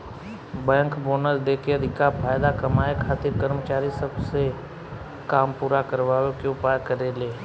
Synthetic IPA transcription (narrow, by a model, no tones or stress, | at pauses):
bɛ̃ːŋkboːnəld̪eːkeɐd̪ʱɪkapʰaːjd̪akɐmaːekʰaːt̪ɪɾkəɾmət͡ʃaːɾisəbse | kaːmpuːɾakəɾʋaːʋekeʊpajkəɾeleː